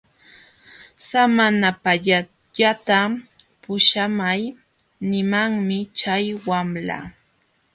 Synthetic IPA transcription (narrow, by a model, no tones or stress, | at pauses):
samanapaʎa | ʎat̪a | pʊʃamaj | nɪmaŋmɪt͡ʃajwamla̰